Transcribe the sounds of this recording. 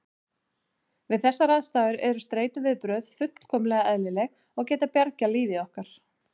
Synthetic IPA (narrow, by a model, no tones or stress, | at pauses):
vɪðθɛsːaɾaðst̪aːðʏɾɛɾʏst̪ɾeːjt̪ʏvɪðpɾœð̥fʏt̪l̥kʰɔːmlɛɣaɛðlɪlɛɣ | ɔɣcɛːt̪apjaɾcaliːvɪɔhkaɾ̥